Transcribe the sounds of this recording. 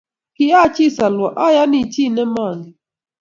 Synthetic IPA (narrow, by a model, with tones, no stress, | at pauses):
ki˦a˦˨t͡ʃi˦˨sa˨lwɔ˨ʔa˦ja˦ni˨t͡ʃi˦nɛ˦ma˦˨ŋɡi˨